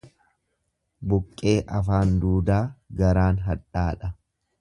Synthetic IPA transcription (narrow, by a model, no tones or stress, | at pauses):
bʊkʼːe̞ːʔɐfaːnd̪uːd̪aːɡɐɾaːnɦɐᶑaːᶑɐ